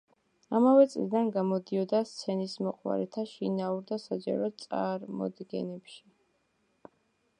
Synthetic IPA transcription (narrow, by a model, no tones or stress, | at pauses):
amavɛt̪sʼlid̪anɡamɔd̪iɔd̪ast̪sʰɛnismɔqʼwa̰ɾɛt̪ʰaʃinauɾd̪asad͡ʒa̰ɾɔt̪sʼaɾmɔ̰d̪ɡɛ̰nɛpʃi